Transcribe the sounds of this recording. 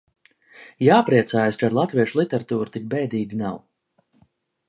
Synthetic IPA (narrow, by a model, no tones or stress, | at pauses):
jaːpɾiɛt̪saːjaskaɾlˠat̪viɛʃlˠit̪ɛɾat̪uːɾt̪ik̚bɛjd̪iːɡinaw